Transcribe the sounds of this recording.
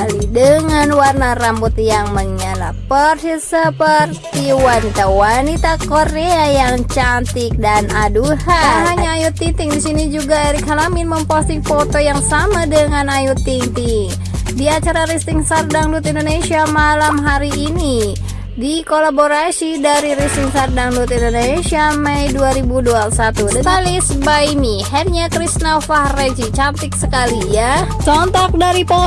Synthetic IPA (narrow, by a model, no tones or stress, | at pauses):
alidəŋanwarnarambut̪jaŋməɲala̰pərtisəpərt̪iwanit̪awanit̪akoɾeajaŋt͡ʃant̪ɪk̚danaduhaɦaɲaːjut̪ːint̪ɪŋdisinid͡ʒuɡaɛɾikhalaminməmpost̪iŋfot̪ojaŋsamadəŋanajut̪ːint̪iŋ | diat͡ʃaɾaɾist̪ɪŋsardaŋdut̪indonesiamalamɦaɾiːni | dikolaboɾasidaɾiɾist̪ɪŋsardaŋdut̪indonesiaməjduaɾibuduapulsat̪udət̪alisbajmihɛrɲakɾisnafahred͡ʒit͡ʃant̪ɪk̚səkalijat͡ʃɔnt̪ɔk̚daɾipo